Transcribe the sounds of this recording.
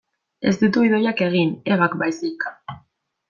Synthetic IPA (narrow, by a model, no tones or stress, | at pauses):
e̞̰sd̪it̪uiðo̞jake̞ɣ̞ineβakbajsikḁ